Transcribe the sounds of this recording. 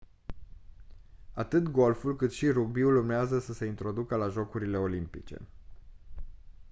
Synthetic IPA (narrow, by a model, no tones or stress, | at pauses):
at̪ɨt̪ɡo̞lfulkɨt̪ʃiɾuɡ̚biulurmeazəsəse̞int̪ɾo̞d̪ukəlaʒo̞kuɾile̞o̞limpit͡ʃe̞̰